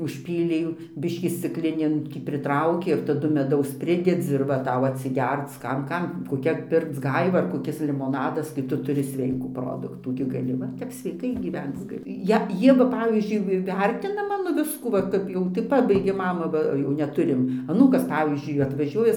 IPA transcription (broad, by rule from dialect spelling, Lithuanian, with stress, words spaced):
ʊʃʲˈpʲiːlʲɛɪ ˈjuː ˈbʲɪʃʲkʲiː sʲt͡sʲɪkˈlʲɪnʲeːn ˈtʲiː pʲrʲɪtˈrɐʊkʲeː ɪr tɐˈdʊ mʲɛˈdɐʊs ˈpʲrʲɪdʲɛd͡zʲɪ ɪr ˈʋɐ ˈtɐʊ ɐtʲsʲɪˈɡʲɛrt͡s ˈkɐm ˈkɐm koːˈkʲɛ ˈpʲɪrkt͡s ˈɡɐɪʋɐ ɐr koːˈkʲɪs lʲɪmoːˈnɑːdɐs kɐɪ ˈtʊ tʊˈrʲɪ ˈsʲʋʲɛɪkuː ˈproːdʊktuː ɡʲɪ ɡɐˈlʲɪ ˈʋɐ tʲɛp sʲʋʲɛɪˈkɐɪ ɡʲiːˈʋʲɛnt͡s ɡɐˈlʲɪ ˈjɛ ˈjiɛ ʋɐ ˈpɑːʋʲiːzʲd͡ʒʲʊɪ ʋʲɪ ˈʋʲɛrʲtʲɪnɐ ˈmɑːnoː ˈʋʲɪskuː ˈʋɐ ˈkɐp jɛʊ tɐɪ ˈpɑːbɐɪɡʲeːm ˈmɑːmɐ ˈʋɐ ˈjɛʊ nʲɛˈtʊrʲɪm ɐˈnuːkɐs ˈpɑːʋʲiːzʲd͡ʒʲʊɪ ɐtʋɐˈʒʲuɔjɛ